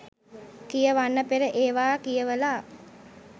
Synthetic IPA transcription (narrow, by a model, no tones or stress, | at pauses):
kijəʋanːəpeɾəʔeːʋaːkijəʋəla